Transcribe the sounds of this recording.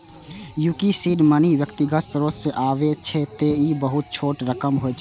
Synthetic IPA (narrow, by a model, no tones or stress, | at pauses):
jukisiɖməniʋjəkt̪iɡəsɾoseʔaʋet͡ʃʰɛt̪eibəɦut̪̚t͡ʃʰoːʈɾəkəmɦoɛt͡ʃʰ